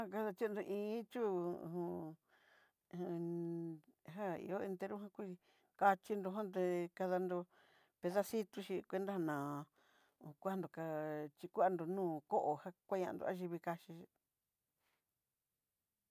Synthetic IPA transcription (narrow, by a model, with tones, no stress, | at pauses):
ã˦ka˧ða˧t͡ʃ̪i˦˧nd̪o˧ʔĩː˧˦t͡ʃu˦˨ũ˧ | ɦã˦ḭ˧o˦e˧nt̪e˧ɾo˦ɦã˦kʷu˦˧˦ | ka˧t͡ʃi˧nd̪o˧ɦã˦d̪e˧ka˧ða˧nd̪o˧ | pe˧ða˦si˦t̪u˧ʃi˧kʷe˧˦nd̪a˦ha˧nãː˨˧˨ | ku˦a˧nd̪o˨ka˧t͡ʃi˧ku˦a˧nd̪o˧nũː˦˨ko˦ʔo˧ha˧kʷa˦ɲã˧ʔnd̪o̰˧a˦ʒi˧βi˧ka˧ʃi˧ʃi˧